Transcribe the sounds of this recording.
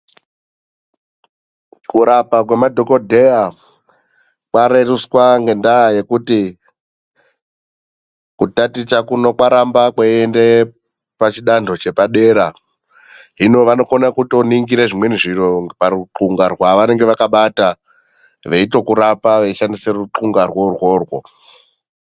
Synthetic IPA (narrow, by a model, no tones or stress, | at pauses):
kuɾapakwemadʱo̞ko̞dʱeja | kwaɾeruswaŋɡe̞ndaje̞kuti | kutatit͡ʃakuno̞kwaɾambakwaiende | pat͡ʃiɗando̞t͡ʃe̞paɗe̞ːɾa | ɦino̞ʋano̞konakuto̞niŋɡiɾeʐimwe̞niʐiroparuǁuŋɡarwaʋane̞ŋɡe̞ʋakaɓata | ʋeito̞kuɾapaʋeiʃandise̞ruǃuŋɡarworwo̞ːrwo̞̰